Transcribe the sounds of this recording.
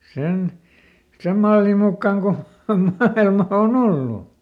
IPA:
sen sem mɑlːim mukːɑŋ ko mɑilmɑ on olːu

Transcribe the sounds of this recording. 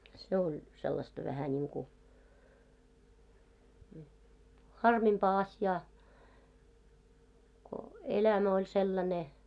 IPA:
se olʲ selːɑstɑ ʋæhæ nʲiːŋku hɑrmimpɑː ɑsjɑː ko elæmæ olʲ selːɑne

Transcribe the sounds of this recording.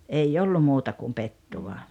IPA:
ei olːu muːtɑ kum petːuʋɑ

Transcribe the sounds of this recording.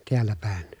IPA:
tiælːæ pæˑen

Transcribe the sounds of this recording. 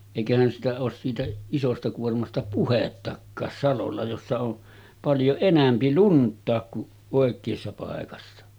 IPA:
eˑikæhæn sitæ oːs siːtæ isostɑ kuormɑstɑ puhetːɑkːɑːs sɑlolːɑ josːɑ on pɑljo enæmpi luntˑɑːk kuʔ ʔoˑekˑeːsːɑ pɑˑekɑsːɑ

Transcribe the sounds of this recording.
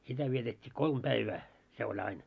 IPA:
sitæ ʋietetʲːiː kolm pæiʋæː se olʲ ɑin

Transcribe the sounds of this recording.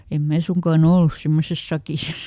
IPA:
em mæː suŋkɑːn olːus semːoses sɑkis

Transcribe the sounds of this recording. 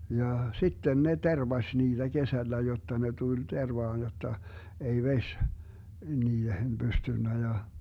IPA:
jɑ sitːen ne terʋɑsʲ niːd̥æ kesælːæ jotːɑ ne tul terʋɑːn jotːɑ ei ʋesʲ niːhen b̥ystynːæ jɑ

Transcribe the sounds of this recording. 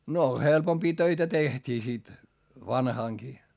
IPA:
no helpompiː tøitæ tehtiː sit ʋɑnhɑˑŋkiː

